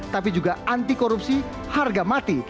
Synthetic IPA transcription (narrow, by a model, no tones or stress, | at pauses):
t̪apid͡ʒuɡaant̪ikɔɾupsi | harɡamat̪i